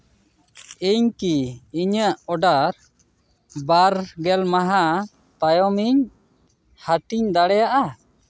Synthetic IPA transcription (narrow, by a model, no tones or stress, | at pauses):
iɲkiːɲəʔɔɖaɾ | baɾɡɛlmaɦa | t̪ajɔmiɲ | haʈiɲd̪aɽɛjaʔa